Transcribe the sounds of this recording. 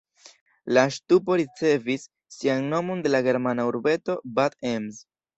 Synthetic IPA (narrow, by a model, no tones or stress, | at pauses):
laʃtupo̞ɾit͡se̞visː | ianno̞mo̞nde̞laɡe̞ɾmanauɾbe̞to̞batemz